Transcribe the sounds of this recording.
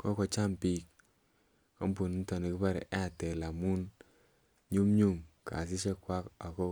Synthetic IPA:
kɔ˦kɔ˧t͡ʃa˦mpi˦k̚ | kɔ˦mpu˨n˦n˦tɔ˨ni˨ki˦pa˦ɾ̰a˦˨tɛ˨la˨mu˦n | ɲu˦mɲu˦˨ŋka̰˨s̬ɪ˦ʃɛ˦kwa˦ka˨kɔ˦

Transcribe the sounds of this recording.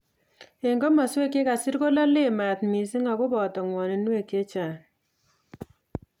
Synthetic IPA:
e˨ŋɡo˦ma˨se˦ke˦ka˨si˦ɾko˦la˦lɪ˦˨ma˨tmi˨sɪ˦ŋa˨kʊ˦bɔ˨tɔ˨ŋwɔ˨ne˨nwe˦˨ke˦t͡ʃa˨

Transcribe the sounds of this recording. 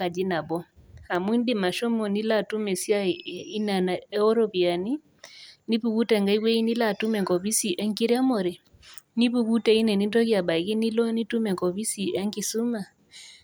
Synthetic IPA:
ka˨d͡ʒi˦na˨bɔ˦a˨mwi˦ndi˦ma˨ʃɔ˦mɔ˨ni˦la˦˨tu˦mɛ˨si˦a˦i˦na˨na˨ɛ˦ɔ˦ɾɔ˦βi˨a˨ni˦ | ni˦βu˦ɣu˦tɛ˨ŋɡa˦i˦ɣwɛ˦i˦ni˦la˦˨tu˦mɛ˨ŋkɔ˨βi˦si˨ʔɛ˦ŋki˦ɾi˦a˦mɔ˨ɾɛ˨ | ni˦βu˨ɣu˦tɛ˨i˦nɛ˨ni˦ndɔ˦ɣi˦a˨ɓa˨i˨ɣi˦ni˦lɔ˦ni˦tu˦mɛ˨kɔ˨βi˦si˨ʔɛ˦ŋki˨su˦ma˨

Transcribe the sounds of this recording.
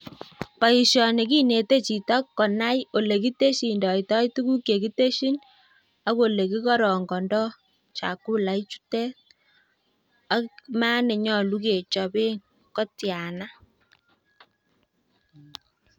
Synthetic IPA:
pa˨i˨ʃjɔ˨ne˨ki˦ne˨te˦t͡ʃi˨tɔ˦kːɔ˨na˦jo˨le˨ki˦te˦ʃi˨ndɔ˨i˨tɔ˦itu˦ku˦ke˨ki˦te˦ʃi˦n | a˦ko˨le˨ki˦kɔ˦ɾɔ˨ŋɡɔ˨ndɔ˦ | t͡ʃa̰˨ku˦la˨i˦t͡ʃu̥˦tɛ˦t | a˦ma˦ne˨ɲɔ˦˨lu˦ke˨t͡ʃɔ˨be˦ŋ | kɔ˦tja˨na˦

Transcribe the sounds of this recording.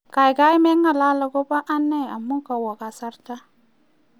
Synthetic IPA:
ka˨jɡa˦i˦me˦ŋːa˨la˦la˨ɡo˦ba˦ʔa˦nːe˦a˨mːu˦ka˨wa˨ka˨sa˦ɾta˦

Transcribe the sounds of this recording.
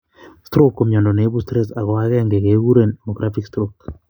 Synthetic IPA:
stɾu˦ko˨mjɔ˨ndɔ˨ne˨˦βu˦stɾe˦sa˨ɣɔ˨a˦ɣɛ˦ŋɡe˨ke˨˦ɣu˦ɾe˨nmo˨ɡɾʔa˦fi˦kstɾok

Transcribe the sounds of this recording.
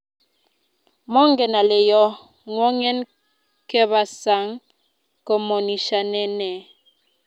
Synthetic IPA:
mɔ˦ŋ˦ɡɛ˨na˨le˨jɔ˦ | ŋwɔ˦ŋɛ˦n | kɛ˦βa˨sa˨˦ŋ | kɔ˨mɔ˨ni˨ʃa˨nɛ˦nɛ˨

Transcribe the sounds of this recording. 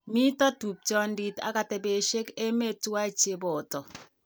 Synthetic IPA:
mi˦tɔ˦tu˨p̚t͡ʃɔ˦ndi˨ta̰˨˦ka˨te˨be˨ʃe˦ke˦me˦twa˦˨t͡ʃe˦bɔ˨tɔ˨

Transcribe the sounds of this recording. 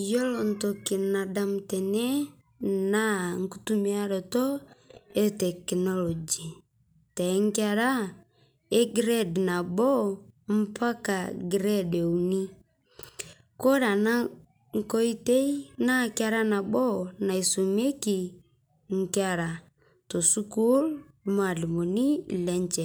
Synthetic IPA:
jɔ˦lɔ˨n̩˨tɔ˨ki˨na˨da˨m̩˨tɛ˨nɛ˦ | na˦ŋ̩˨ku˦tu˦mi˦a˦ɾɔ˨tɔ˦ɛ˦tɛ˨knɔ˦lɔ˨d͡ʒi˨ | tɛ˨˦ŋ̩˦ki˦a˦ɾa˦ | ɛ˦ɡɾɛ˦dna˨ɓɔ˦m̩˦pa˦ka˨ɡɾɛ˦de˨u˨ni˦ | kɔ˦ɾa˨na˦ | ŋ̩˦˨kɔ˦i˦te˦i˦na˦kja˦ɾa˦na˨ɓɔ˦na˨i˨so˨m˦e˦ki˨ | ŋ̩˦ki˦a˨ɾa˨ | to˨su˦ku˦l | ma˨li˨mo˨ni˦˨lɛ˦nt͡ʃɛ˨

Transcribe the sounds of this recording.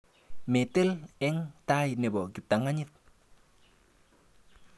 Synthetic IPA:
me˨te˦lɛ˦ŋta˦jne˨bɔ˨ɡɪ˨p̚ta˨ŋa˦ɲɪ˦t̚

